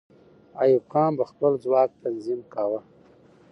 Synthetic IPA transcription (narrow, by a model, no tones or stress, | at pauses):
ajukɑːmbaxpəld͡zwɑːk̚t̪anzimkawə